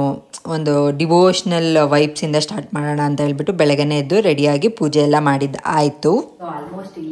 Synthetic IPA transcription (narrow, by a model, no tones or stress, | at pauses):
ond̪uɖiʋoːʂɐnɐlʋɐjpsind̪ɐsʈaːɾʈmaːɽoːɳɐːnt̪ɐɦeːɭbiʈːubɛɭɐɡɐneid̪uɾeɽijaːɡipuːd͡ʒɛjɛlːɐmaːɽid̪aːjt̪u